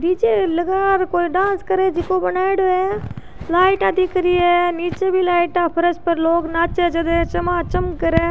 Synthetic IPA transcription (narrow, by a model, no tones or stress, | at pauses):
diːt͡ʃeləɡaːɾkoːiɖãːnskəɾed͡ʒɪkobɐnaːɪɽoɛ | laːɪʈad̪ikəɾiɛniːt͡ʃebʱilaːɪʈaːpʰəɾəspəɾloːɡnaːt͡ʃed͡ʒɐd̪et͡ʃɐmaːt͡ʃəmkɐɾeː